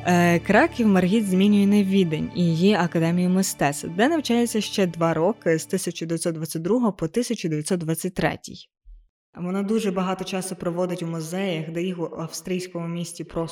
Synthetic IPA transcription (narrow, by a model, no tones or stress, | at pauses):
kɾɑkʲiwmɐrɦʲizʲmʲinʲʊjɛnɛʋʲid̪enʲijjiɐkɐd̪ɛmʲijʊmɪst̪ɛsɐd̪ɛnɐwt͡ʃɑjet͡sʲːɐʃt͡ʃɛd̪ʋɑɾɔkɪzt̪ɪsʲɐt͡ʃʊd̪eʋʲjɐt̪sɔt̪dʋat͡sʲːɐt̚ʲd̪ɾuɦɔɦɔpɔt̪ɪsʲɐt͡ʃʊd̪eʋʲjɐt̪sɔt̪̚d̪ʋɑt͡sʲːɐt̚ʲt̪ɾɛ̰tʲḭj | ʋɔnɑd̪uʒɛbɐɦɑt̪ɔt͡ʃɑsʊpɾɔʋɔd̪ɪtʲwmʊzɛjɐxd̪ɛjixuɐfst̪ɾʲijsʲkɔmʊmʲisʲtʲipɾɔ